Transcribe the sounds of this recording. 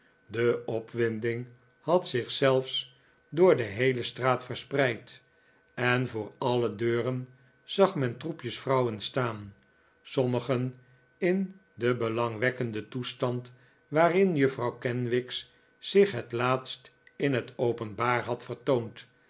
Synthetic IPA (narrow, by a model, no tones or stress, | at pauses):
dəɔpʋɪndɪŋ | hɑtsɪχsɛlˠfs | dʊːɹdəɦejləstraːtfəɹsprɛjt | ɛnvʊːɹɑlədøːrən | z̥ɑχmɛntrupjəsfrʌwənstaːn | sɔməχən | ɪn | dəbəlɑŋʋɛkəndətustɑnt | ʋaːrɪnjəfrɑwkɛnʋɪks | sɪχɦətlaːtstɪnɦətowpənbaːɹɦɑtfəɹtownt